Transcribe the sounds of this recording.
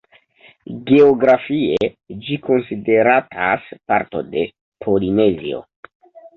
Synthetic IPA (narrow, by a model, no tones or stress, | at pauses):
ɡe̞oɡɾafie̞ | d͡ʒiko̞nside̞ɾatʰa̰spa̰ɾto̞̰de̞ | pʰo̞line̞zḭo̞̰